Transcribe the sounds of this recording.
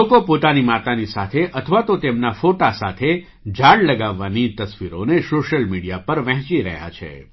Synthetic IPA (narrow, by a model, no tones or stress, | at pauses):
okopot̪animat̪anisat̪ʰeʔət̪ʰəʋat̪ot̪emnafoʈasat̪ʰe | d͡ʒʱaɽləɡaʋːanit̪əsʋiɾonesoʃəlmiɽijapəɾʋɛ̃ɦt͡ʃiɾə̰ɦja̰t͡ʃʰḛ